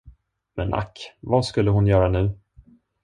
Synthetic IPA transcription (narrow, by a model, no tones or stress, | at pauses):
mɛ̰nʔa̰kːvaskɵlːəɦʊnjœːɾanʉ̟ː